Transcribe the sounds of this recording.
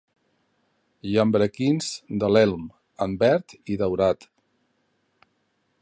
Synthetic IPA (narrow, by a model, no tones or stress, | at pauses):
ʒəmbɾəkinzd̪əlɛlˠm | əmbɛɾt̪iðəwɾat̪